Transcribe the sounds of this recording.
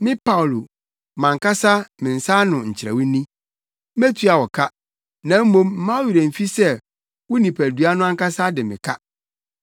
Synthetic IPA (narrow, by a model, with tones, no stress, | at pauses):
mɪ̃˦pa˦ʊ˨lo˨ | mã˨ŋ˨ka˦sa˦mɪ̃˨n̩˨sa˦nʊ̃˨ɲ̩˨t͡ɕʰɪ˨ɾɛ̰˨wʊ˦nĩ˦ | me˦tʰu˦a˨wɔ˨kʰa˦ | nã˨˦m̩˦mõ˦mm̩˦mã˦o˦ɥi˨ɾæ̃˨m̩˨fi˦sɛ˦ | wʊ˦nĩ˨pʰæ˨du˨˦a˦nʊ̃˦ã˦ŋka˦sa˦dɪ˨mɪ̃˨kʰa˦